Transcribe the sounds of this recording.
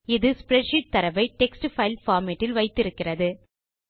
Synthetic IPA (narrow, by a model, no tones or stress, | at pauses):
ɪðɯspɾɛʈʃɪʈ̚t̪ːɐɾɐʋɐɪʈɛksʈɯfɐɪlfaːɾmeʈːɪlʋɐɪt̪ːɪɾɯkːɪrɐðɯ